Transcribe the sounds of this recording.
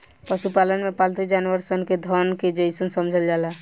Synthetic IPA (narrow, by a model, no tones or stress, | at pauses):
pəʃupalənmẽpalt̪id͡ʒaːnʋəɾsənked̪ʱɔnked͡ʒəɪsənsəmd͡ʒʱəld͡ʒala